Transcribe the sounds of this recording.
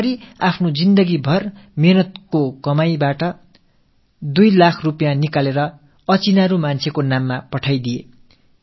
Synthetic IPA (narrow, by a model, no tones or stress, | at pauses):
ɾiapʰnod͡zind̪ʌɡibʱʌrmenʌt̪̚kokʌmajbaʈʌ | d̪ujlakʰrupjanikaleɾʌ | ʌt͡sinaɾumant͡sʰekonamːapʌʈʰajd̪ije